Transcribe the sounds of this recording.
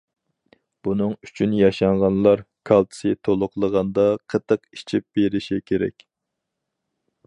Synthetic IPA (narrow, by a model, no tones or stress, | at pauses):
b̥unɨŋy̥t͡ʃʰynjɑʃɑŋʁɑnlˠɑɾkʰɑlˠt̪ʰɨ̥sɨt̪ʰolˠʊqlˠəʁɑnd̪ɑqʰət̪ʰːəqit͡ʃʰip̚b̥eɾɪʃikʲʰeɾɛ̰kʲ